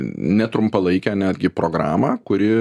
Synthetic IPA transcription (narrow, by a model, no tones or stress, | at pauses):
nʲɛt̪ɾʊmpɐlˠɐɪkʲoːnʲæːd̪ʲɡʲɪpɾoːɡɾɑ̰ːmɑːkʊɾʲɪ